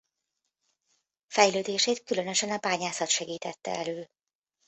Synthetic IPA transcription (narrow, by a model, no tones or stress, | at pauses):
fɛjløːd̪eːʃeːt̪kylø̞nø̞ʃɛnɒbaːɲaːsɒt̪ʃɛɡiːt̪ɛt̪ːɛ̰ɛløː